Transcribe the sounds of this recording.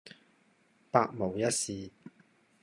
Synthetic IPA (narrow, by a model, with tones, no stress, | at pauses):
paː˧k̚mo˨˩wjɐ˥t̚siː˨˧